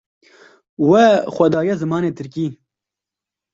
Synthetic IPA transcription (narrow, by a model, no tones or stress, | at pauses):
wɛxʷɛd̪ɑːjɛzɨmɑːneːt̪ʰɨɾkiː